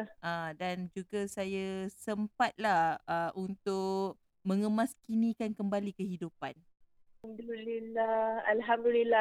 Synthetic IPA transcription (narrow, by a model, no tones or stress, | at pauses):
ʔadand͡ʒuɡasajasəmpat̪̚lahəunt̪ʊʔ | mə̃ŋəmaskinĩkankəmbalikəɦidupan | hamd̪ulilaalɦamd̪ulilːa